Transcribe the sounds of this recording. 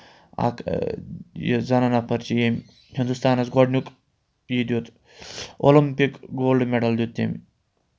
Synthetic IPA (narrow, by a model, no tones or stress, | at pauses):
a̰k | j̰zɐnanɐpʰɐɾt͡ʃijemʲ | hind̪ust̪aːnɐsɡoɖnʲuk | jid̪ʲjut̪ | o̰limpikɡoːlɖmeɖɐld̪jut̪ːḛm